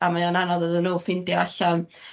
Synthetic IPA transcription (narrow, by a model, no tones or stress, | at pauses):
amajɔnanɔðəðənːuːfɪndjaɬan